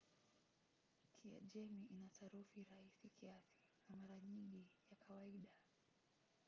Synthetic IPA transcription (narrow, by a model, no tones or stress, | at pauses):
kʰia̰ʄɛmiʔinataɾufiɾahisikʰiasi̥ | namaɾaɲiŋɡijakʰawaiɗa